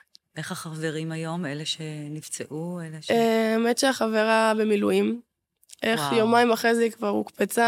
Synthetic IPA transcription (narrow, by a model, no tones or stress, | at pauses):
ʔeχaχaveʁimajo̞meleʃenivt͡seʔueleeemetʃeaχaveʁabe̞miluim | ʔeχjomaimaχezeikvaʁukpet͡sa